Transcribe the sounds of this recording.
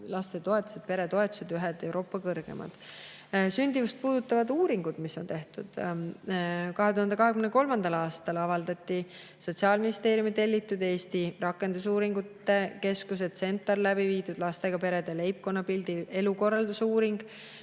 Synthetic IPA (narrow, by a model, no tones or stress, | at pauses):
lɑst̪e̞t̪o̞e̞t̪ːˑu̥sed̪̥̚pe̞ɾet̪o̞e̞t̪u̥sed̪yɦɛd̪̥e̞wɾʔo̞ːpːˑɑkɤrɡ̥e̞̰mʔɑ̰d̪̥ | synʲd̪̥ʲivust̪̚puːd̪̥ut̪ːˑɑvɑd̪uːɾiŋɡ̥ud̪̥misːo̞nt̪e̞ht̪ṵd̪̥ | kɑɦe̞t̪uhɑnd̪ekɑɦe̞ɡymneko̞lmɑnd̪̥ɑlɑːst̪ɑlɑvɑld̪ɑt̪ˑːi | so̞t̪ʲsiɑːlminist̪e̞ːɾjumit̪e̞lʲːit̪ːˑud̪e̞ːst̪irɑkːˑe̞nd̪̥usuːɾiŋɡut̪ːˑe̞ke̞skus̬ed̪se̞nt̪ːˑɑrlæbiviːd̪ud̪̥lɑst̪e̞ɡ̥ɑpe̞ɾe̞d̪̥ele̞jp̚ko̞nːɑpild̪ie̞luko̞rːɑld̪usuːɾiŋɡ̥